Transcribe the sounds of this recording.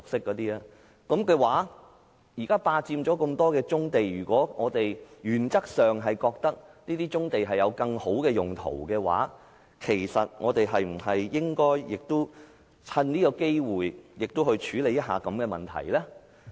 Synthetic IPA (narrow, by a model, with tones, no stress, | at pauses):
sʊ˨k̚sɪ˥kːɔː˨˥t̪iː˥a˧ | kɐ˨˥mkɛː˧waː˨˥ | jiː˨˩kaː˥paː˧t͡siː˧mt͡ʃɔː˨˥ko˧mt̪ɔː˥kɛː˧t͡sʊ˥ŋt̪e˨jjyː˨˩kʷɔː˨˥ŋɔː˨˧t̪e˨jjyː˨˩nt͡sɐ˥k̚sœː˨ŋɦɐ˨jkɔː˧k̚t̪ɐ˥k̚niː˥t̪iː˥t͡sʊ˥ŋt̪e˨jɦɐ˨jɐ˨˧wkɐ˧ŋho˨˥wkɛː˧jʊ˨ŋt̪ʰo̰˨˩wkɛː˧wa̰ː˨˥ | kʰe˨˩jsɐ˨t̚ŋɔː˨˧t̪e˨jɦɐ˨jm̩˨˩ɦɐ˨jjɪ˥ŋkɔː˥jjɪ˨k̚t̪ʊ˥w | t͡sʰɐ˧nniː˥kɔː˧ke˥jwuː˨jjɪ˨k̚t̪ʊ˥hɵ˧ɥt͡ʃʰyː˨˥le˨˧jɐ˥t̚ɦa̰ː˨˧kɐ˨˥mkɛː˧mɐ̰˨nt̪ʰɐ̰˨˩jlɛ˥